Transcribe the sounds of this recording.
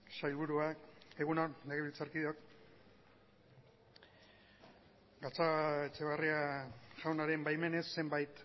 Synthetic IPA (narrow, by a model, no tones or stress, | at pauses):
ʃajlβuɾuae̞ɣunonleɣeβilt͡saɾkiðo̞k | ɡat͡sat͡ʃe̞β̞ariaʝawnaɾe̞mbajme̞ne̞sːe̞mbajt̪